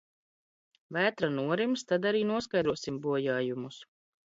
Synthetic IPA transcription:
væːt̪ɾanuɔɾimst̪ad̪aɾiːnuɔskajd̪ɾuɔsimbuɔjaːjumus

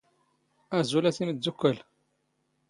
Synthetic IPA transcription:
æzulæsiməzukːəl

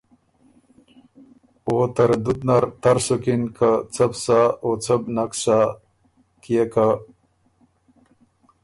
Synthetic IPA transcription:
ot̪ɐɾd̪ud̪naɾt̪ɐɾsokinkat͡sɐbsaot͡sʰɐbnaksa | kijeka

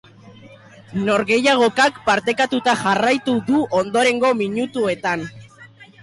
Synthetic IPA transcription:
no̞ɾɣe̞jaɣ̞o̞kakpaɾt̪e̞kat̪ut̪aʝarajt̪uðuʔo̞nd̪o̞ɾe̞ŋɡo̞miɲut̪ue̞t̪an

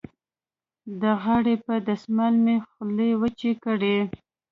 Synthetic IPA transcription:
d̪əɣɑɽepəd̪asmalmexlewət͡ʃekəɽe

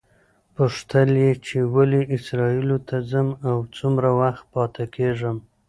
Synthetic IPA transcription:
pəʂt̪əljet͡ʃewaliɪsɾɑilot̪ʰazəmawt͡sumɾawaxt̪̚pɑt̪ʰakeʐəm

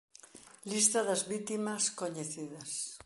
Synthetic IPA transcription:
list̪ɐðɐzβit̪imɐskoɲeθiðɐs

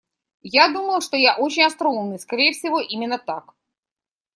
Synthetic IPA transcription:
jad̪uməlˠʂt̪o̞jaʔot͡ɕɪnʲɐst̪ɾaumnɨjskɐɾʲejəfʲsʲɪvo̞ʔimʲɪnːət̪ak

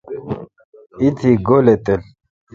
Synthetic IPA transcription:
ɪt̪ʰɪɡɔlɛt̪ʼɛl

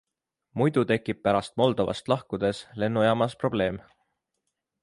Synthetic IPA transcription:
mujd̪̥ut̪e̞kːˑip̚pæɾɑst̪̚mo̞ld̪o̞vɑ̰st̪lɑhkud̪̥e̞sle̞nːujɑːmɑspro̞b̥le̞ːm

